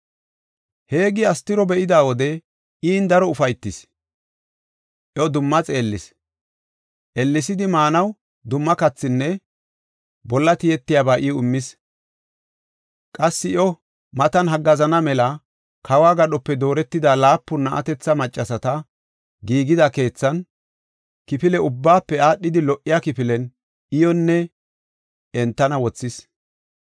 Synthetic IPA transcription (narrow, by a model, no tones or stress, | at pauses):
he̞ːɡɪɐst̪ːɪɾɔbɛʔɪd̪aːwɔd̪ɛ | ʔiːnd̪ɐɾɔʊfɐjt̪ːɪs | ʔjɔd̪ʊmːɐt͡sʼeːlːɪs | ʔɛlːɪsɪd̪ɪmaːnɐw | d̪ʊmːɐkɐt͡sːɪnːɛ | bɔlːɐt̪ɪjɛt̪ːɪjaːbaːʔɪʊmːɪs | kʼɐsːɪʔɔ | mɐt̪ɐnɦɐɡːɐzɐnɐmɛlɐ | kʰɐwaːɡɐɗɔpːɛd̪o̞ːɾɛt̪ːɪd̪alaːpːʊnɐʔɐ̰t̪ɛt͡sːɐmɐt͡ʃʼːɐsɐt̪ɐ | ɡiːɡɪd̪ɐke̞ːt͡sːɐn | kɪpɪlɛʊbːaːpːɛaːɗːɪd̪ɪlɔʔːɪjaːkɪpɪlɛn | ʔɪjɔnːɛ | ɛnt̪ːɐnɐwɔt͡sːɪs